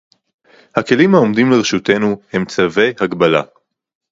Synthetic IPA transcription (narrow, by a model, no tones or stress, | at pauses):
hake̞limhao̞mdimleʁeʃute̞nuhe̞mt͡save̞jhaɡbala̰